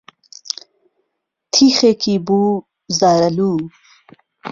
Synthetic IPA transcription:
t̪ʰixekibu | zaːɾɐlu

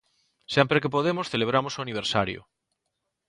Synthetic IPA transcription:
sempɾek̬ep̬oðemosθeleβ̞ɾamosuaniβ̞eɾsaɾjo̰

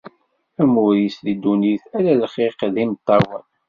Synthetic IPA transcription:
æmʊɾislid̪uniθælælχiqðimt̪ˤːɑwən

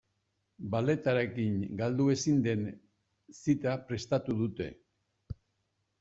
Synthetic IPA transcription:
bale̞t̪aɾe̞kiŋɡald̪ue̞sind̪e̞n | sit̪apɾe̞st̪at̪uðut̪e̞̰

